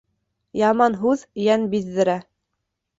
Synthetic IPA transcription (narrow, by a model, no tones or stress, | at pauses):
jɑmɑnɦʉðjænbiðːɘ̆ɾæ